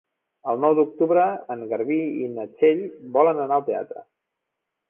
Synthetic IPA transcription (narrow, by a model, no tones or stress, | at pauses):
əlˠnɔwd̪uk̚t̪uβɾəəŋɡəɾβiinət͡ʃeʎbɔlənənaəlˠt̪ea̰t̪ɾə̰